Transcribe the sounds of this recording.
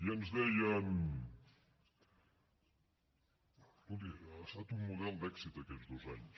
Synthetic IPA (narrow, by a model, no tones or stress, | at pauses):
iənzðɛjəm | bulˠd̪iɾəst̪at̪umːuðɛlˠd̪ɛksit̪əkɛzðozaɲs